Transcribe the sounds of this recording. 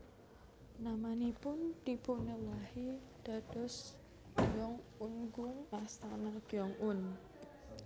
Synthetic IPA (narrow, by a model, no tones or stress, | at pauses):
namanipʊnt̪ipunəlahid̪̥a̤ɖ̥ɔs | jɔŋunɡʊŋast̪anad̥ɔŋʊn